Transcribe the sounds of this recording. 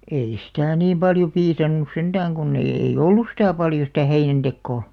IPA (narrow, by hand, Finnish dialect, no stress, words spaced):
ei sitæˑ niːm pɑljo piːsɑnːus send̥æːŋ ɡ̊unː eij̆ eij̆ olːus sitæˑ pɑljo sitæˑ heinænd̥ekːoː